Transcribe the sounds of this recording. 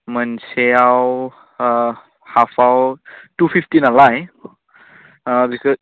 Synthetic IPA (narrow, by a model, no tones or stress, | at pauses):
mənseaw | hafʰawtupʰiftinalaj | bikɔ